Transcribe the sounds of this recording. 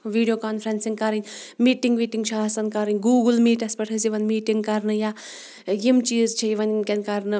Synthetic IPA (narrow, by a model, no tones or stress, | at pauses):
ʋiːɖijoːkaːnfʰɾɐnsiŋkɐɾɐnʲmiːʈiŋɡmiːʈiŋɡt͡ʃʰɐɐsɐnkɐɾɨnʲɡuːɡɨlmiːʈɐspɐʈʰɐsiʋɐnmiːʈiŋɡkɐɾnɨja | jimt͡ʃiːzt͡ʃʰɐiʋɐnkʲɐnʲkɐɾnɨ